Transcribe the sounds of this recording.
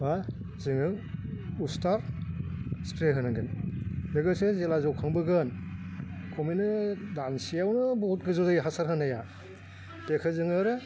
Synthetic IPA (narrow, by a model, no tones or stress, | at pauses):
ba | zɯŋɯ | ustaɾ | spɾeɦɯnɯŋɡɯnbɯɡɯsɯzelazɔwkʰaŋbɯɡɯn | kʰɔminɯdansijawnɯbɔt̚ɡɯzuzajɦasaɾɦɯnaja | tekʰɯzɯŋɯɾɯ